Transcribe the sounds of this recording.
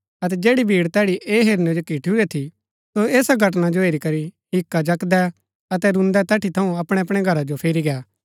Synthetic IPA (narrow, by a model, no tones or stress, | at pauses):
ɐt̪̬ɛd͡ʒeːɽibʱiːɽt̪ɛːɽiʔeːɦeːɾnod͡ʒokiːʈʰiʊɛt̪ʰi | soeːsaɡʱɐʈ̬nad͡ʒoeːɾikɐɾiɦɪkːad͡ʒɐkd̪ɛ | ɐt̪ɛɾʊ̃nd̪ɛt̪ɛːʈʰit̪ʰɐũɐpɽ̃ɛɐp̬ɽ̃ɛɡʱɐɾad͡ʒopʰeːɾiɡɛaː